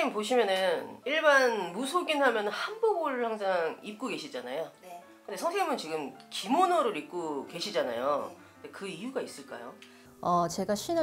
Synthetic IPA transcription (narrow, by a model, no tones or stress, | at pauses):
poɕ̬ʰimjʌnɯniɭbanmusʰoɡinhamjʌnɯhanboɡoɾhaŋs̬ʰaŋip̚k͈oɡe̞ɕʰid͡ʑanajo | kɯnde̞sʰʌŋsʰeɡimɯnt͡ɕiɡɯmkimonoɾɯɾip̚k͈oke̞ɕʰid͡ʑana̰jo̰ | ɯndekɯijuɡais͈ɯɭk͈a̰jo̰ | ʌt͡ɕe̞ɡaɕ͈ʰin